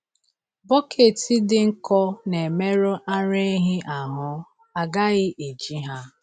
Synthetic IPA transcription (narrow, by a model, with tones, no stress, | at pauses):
bɔ˦kʰe˨ti˦dɪ˦ŋ̩˦kɔ˦ne˨me˦ɾʊ˦ʔa˦ɾe˦ɦɪ˦ʔa˨ɦʊ˦ | a˨ɡa˦ɣɪ˦ʔe˨d͡ʒi˦ɦa˦